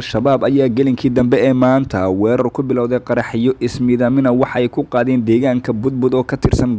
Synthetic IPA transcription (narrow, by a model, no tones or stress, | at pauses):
lʃɐβaːbɐjaːɡɐlɪŋkʰiːd̪ɐmbɛɛːmaːnt̪ʰɐwɛːɾɐrkʰʊbɪlɔwðɛjqɑɾɑħɪjɔʔɪsmɪðɐmɪnɐwɑħɑɛjkʰʊqɑːðɛːnd̪ɛːɣaːŋkʰɐbʊd̪̚bʊd̪ɔːkʰɐt̪ʰɪrsɐn